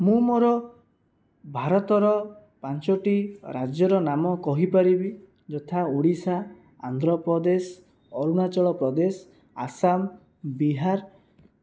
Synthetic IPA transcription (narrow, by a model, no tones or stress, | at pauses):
mũmoɾɔ | bʱaɾɔt̪ɔɾɔ | pant͡ʃɔʈiɾad͡ʒjɔɾɔnamɔkɔɦipaɾibi | d͡ʒɔt̪ʰaoɽisa̰ː | nd̪ɾɔpɾɔd̪es | ɔɾunat͡ʃɔɭɔpɾɔd̪es | a̰sam | biɦaɾ